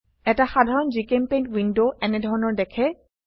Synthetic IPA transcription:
ɛtaxadʱaɹɔnzikempẽj̃ntwindoʔɛnɛdʱɔɹɔnɔɹdɛkʰɛ

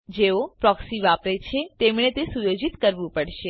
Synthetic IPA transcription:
d͡ʒeopɾɔksiʋapɾet͡ʃʰet̪emɳet̪esujod͡ʒit̪kəɾʋũpəɽʃe

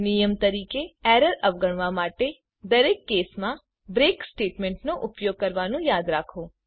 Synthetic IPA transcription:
nijəmt̪ɐɾiːkeɛːɾəɾɐʋɡəɽ̃ʋãmaːʈe | d̪ɐɾeːkːeːsmã | bɾeːksʈeːʈmɛ̃ːɳʈnoʔʊpjoːɡ̚kɐɾʋaːnũjaːd̪ɾaːkʰoː

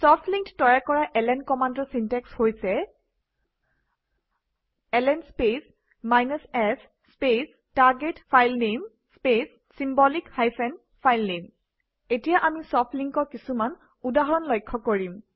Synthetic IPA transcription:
sɔpʰliŋttɔjakɔɹaʔɛlɛnkɔmandɔɹsintɛkshojsɛ | ɛlɛnspes | majnɔsɛsː | pes | taɹɡetpʰajlnem | spesːimbɔlikhajpʰɛn | pʰajlnem | etijaʔamisɔpʰliŋkɔkisuman | udaɦɔɹɔnlɔjkʰːɔkoɹim

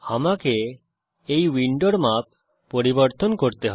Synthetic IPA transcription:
amakeː | jwiɳɖɔɽmap̚ | pɔɾibɔɾt̪ɔnkɔɾt̪eɦɔ

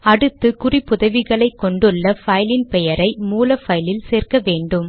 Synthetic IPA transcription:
ɐɽɯt̪ːɯkʊripʊðɐʋɪɣɐɭɐɪkːɔɳɖɯɭːɐfɐjlɪnpɛjɐɾɐɪmuːlɐfɐjlɪlseːrkɐʋeːɳɖɯm

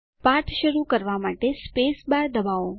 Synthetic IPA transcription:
paɾt̪ʰʃəɾukəɾʋamaʈespesbaɾd̪əbao

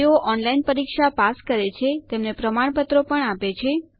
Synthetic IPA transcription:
oʔɔnlainpəɾikʃapaskəɾet͡ʃʰet̪emnepɾəmaɽ̃pət̪ɾopəɳapet͡ʃʰe

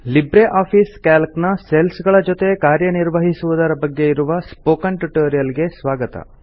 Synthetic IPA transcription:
libɾeʔaːpʰiːskaːlknɐselsɡɐɭɐd͡ʒot̪e̞kaːɾjɐniɾʋɐɦisuʋud̪ɐɾɐbɐɡːe̞iɾuʋɐspoːkɐɳʈuʈoːɾijɐlɡe̞sʋaːɡɐt̪ɐ̰

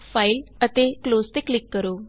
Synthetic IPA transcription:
failət̪eklost̪eklikːəɾo

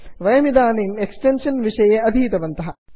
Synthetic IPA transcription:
ʋɐjɐmid̪aːniːneksʈenʂɐnʋiʂɐjeɐd̪ʱiːt̪ɐʋɐnt̪ɐɦɐ

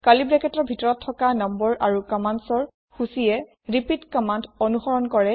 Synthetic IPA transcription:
kalibɹɛkɛtɔɹbʱitɔɹɔtʰːɔkanɔmbɔɹʔaɹukɔmantsɔɹ | xusijɛ | ɹipitkɔmantɔnuxɔɹɔnkɔɹɛ

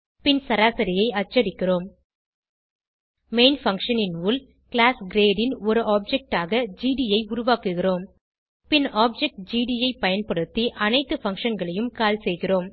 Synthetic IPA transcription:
pɪnsɐɾaːsɐɾɪjɐɪɐt͡ʃːɐɽɪkːɪroːm | meɪnfɐŋʂɐnɪnʋuːl | kɭaːsɡɾeːɖɪnɔɾɯʔaːp̚d͡ʒɛk̚ʈaːɣɐd͡ʒiːɖijɐɪʊɾʊʋaːkɯɣɪroːm | pɪnaːp̚d͡ʒɛk̚ʈ̚d͡ʒiːɖijɐɪpɐjɐnpɐɽɯt̪ːiʔɐnɐɪt̪ːɯfɐŋʂɐnɡɐɭɐjɯmkaːlsɛjɣɪroːm

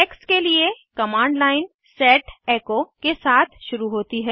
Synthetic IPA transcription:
ɛːkskelie | kɐmãːɳɖlaːɪn | sɛːʈeːkokesaːt̪ʰʃʊɾuɦoːt̪iɦɛː

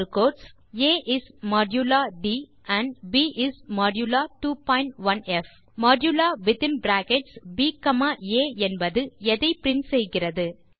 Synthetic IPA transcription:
koːɾʈs | eːʔɪsmɔːɖjulaːɖiː | ɐɳbiːʔɪsmɔːɖjuːlaːʈuːpɔːɪɳʈʋɐnɛf | mɔːɖjuːlaːʋɪðɪnbɾaːkɛʈsbiːkɐmaːeːɛnbɐðɯɛðɐɪpɪɾɪnsɛjɣɪrɐðɯ

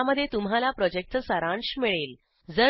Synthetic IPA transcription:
aməd̪ʱːjet̪um̤ɦalapɾɔd͡ʑek̚t̪əsəɾãɳɕmiɭel | d͡zə

